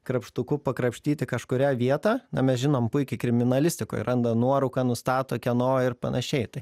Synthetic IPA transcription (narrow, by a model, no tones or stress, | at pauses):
kɾɐpʃt̪ʊkʊpɐkɾɐpʲʃʲt̪ʲiːt̪ʲɪkɐʃkʊɾʲæːʋʲiɛt̪ɑːnɐmʲɛsʒʲɪnoːmpʊɪkʲɪkɾʲɪmʲɪnɐlʲɪsʲt̪ʲɪko̰ːjrʔɐnd̪ɐnuɔɾɐʊkɑːnʊst̪ɑːt̪oːkʲɛnoːɪɾpɐ̰nʔɐʃʲɛɪt̪ɐɪ